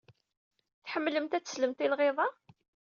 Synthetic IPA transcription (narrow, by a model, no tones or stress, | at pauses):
θħəmːləmt̪æt͡sːə̥sləmt̪ɪlʁeðˤɑ